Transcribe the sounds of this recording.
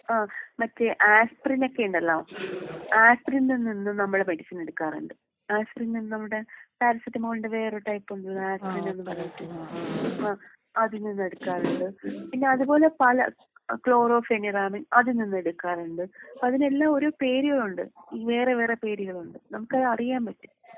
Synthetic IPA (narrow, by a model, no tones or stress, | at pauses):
aːmɐtːeʔaːsprinokːe̞uɳɖelːaːʋmaːsprinninːinːɨnɐmːuɽemeɽisɐne̞ɽukːaːrṵɳɖɨ | aːsprinninːɨnɐmːɨɽet̪ɐɾɐsɐtːɐmɐːʋuɳɖɨʋe̞ːreʈɐjpːuɳɖulːɐaːsprinenːɨpɐrɐjɐt̪ːu | aː | ɐðininːe̞ɽukːaːruɳɖɨpinːe̞ɐðupo̞ːle̞pɐlɐ̰ | kɭo̞ːro̞ːfeniraːmiŋɐðɨninːueɽukːaːruɳɖɨɐpːɐðine̞lːaːoɾo̞ːpeːɾiɣɐɭuɳɖɨiːʋe̞ːreʋe̞ːrepe̞ːɾiɣɐɭuɳɖɨnɐmukːɐðɐrijaːmpɐtːu̥